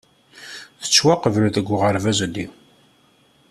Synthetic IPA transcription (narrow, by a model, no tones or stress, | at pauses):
θə̥t͡sːwaqəvəlðəɡʷʁəɾvæzəd̪i